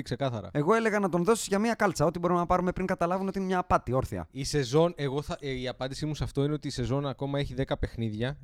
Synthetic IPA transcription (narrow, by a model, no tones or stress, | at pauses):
kse̞kɐθɐɾɐ̰e̞ɣo̞e̞le̞ɣɐnɐt̪o̞nðo̞si̥zʝɐmiɐkɐlt͡sɐo̞t̪ibo̞ɾimenɐpɐɾume̞pɾiŋɡɐt̪ɐlɐvuneo̞t̪inemɲɐːpɐt̪io̞ɾθḭɐ̰ise̞zo̞ne̞ɣo̞θɐiɐpɐnd̪isimusɐft̪o̞ineo̞t̪iːse̞zo̞nɐko̞mɐeçiðe̞kɐpe̞xniðʝɐ